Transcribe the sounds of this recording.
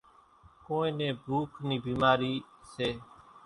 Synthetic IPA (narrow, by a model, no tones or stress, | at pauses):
koːẽːnẽːbʱuːkʰniːbiːmaːɾiːseː